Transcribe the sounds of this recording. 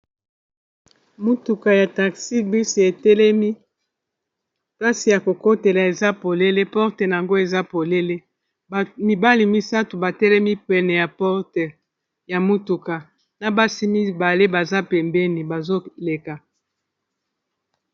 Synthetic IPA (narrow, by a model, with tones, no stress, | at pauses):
mu˦tu˨ka˨ja˨ta˨ksi˦bi˦si˨e˨tɛ˦lɛ˦mi˦ | ta˦si˨ja˨ko˨ko˦te˨la˨e˨za˦po˨le˦le˦pɔ˦ʁtɛ˨na˨a˨ŋɡo˦e˨za˦po˨le˦le˦˨ | mi˨ba˦li˨mi˦sa˦tu˨ba˨tɛ˦lɛ˦mi˦pɛ˨nɛ˨ja˨pɔ˦ʁtɛ˨ | ja˨mo˦tu˨ka˨ | na˨ba˦si˦mi˦ba˨le˦ba˨za˦pɛ˨mbɛ˦ni˨ba˨zo˦le˨ka˨